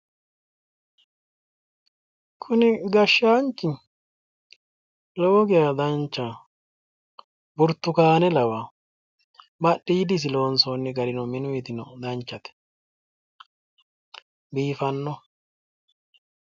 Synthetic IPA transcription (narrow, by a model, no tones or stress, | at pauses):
kʰʊnɪɡɐʃːaːnt͡ʃːɪ | loːɡɪjad̪ɐnt͡ʃːa | bʊɾt̪ːʊkaːnɛlɐwa | bɐɗːid̪ɪs̬ɪlo̞ːnsonːɪɡɐɾɪnɔmɪnʊjɪt̪ɪnɔd̪ɐnt͡ʃːɐt̪ɛ̥ | biːfɐnːɔ